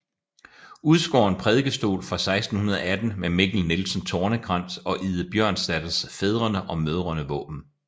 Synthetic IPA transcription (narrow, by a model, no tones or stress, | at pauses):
uð̞ˠsɡ̥ɒ̰ːe̝npʰʁɛðˠɡ̥əsd̥o̝̰ːlfʁɑ̈sɑ̈ɪsd̥n̩hunɐðˠɒæd̥n̩memeɡ̥l̩nelsn̩t͡sʰɒːnəɡ̥ʁɑ̈n̰sɒ̽ʔiðˠəb̥jɶɐ̰nsd̥æd̥sfeð̞ˠʁɐnəʔɒ̽møðˠʁɐnəʋɔ̰̽ːb̥n̩